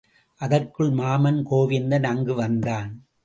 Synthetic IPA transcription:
ʔɐðɐrkɯɭmaːmɐnkoːʋɪnd̪ɐnɐŋɡɯʋɐnd̪aːn

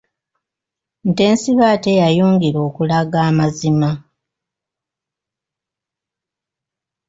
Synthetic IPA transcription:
n̩te̞ːnsiβaːtejajuːŋɡiɾo̞ːkulaɡaːmazima

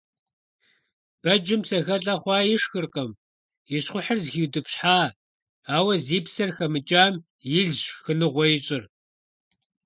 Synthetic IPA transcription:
b̥ɐd͡ʒɪmsɐɣɐɬʼɐχʷɑːjɪʂxɨrqɐm | jɪɕχʷʊħɐrzxiːwdɨpɕħaː | aːwɐziːpsɐrxɐmɨt͡ʃʼaːm | jɪɮʒxɨnɨʁʷɔjɪt͡ʃʼɪr

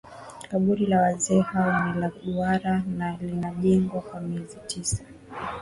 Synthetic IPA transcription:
kaɓuɾilawazɛːhawɔnilaɗuaɾanalinaʄɛŋɡwakwamiɛzitʰisḁ

